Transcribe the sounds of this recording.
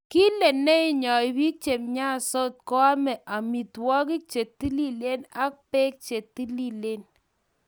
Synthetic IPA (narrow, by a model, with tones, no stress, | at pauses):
ki˦le˨nːe˦i˦ɲɔ˨ɪ˨bi˦k̚t͡ʃe˨mɲa˦so˦t̚ko˦a˦mɛ˨ʔa˨mi˨twɔ˦k̬i˦k̚t͡ʃe˨tːi˦li˦le˦na˦k̚pe˦k̚t͡ʃe˨tːi˦li˦le˦n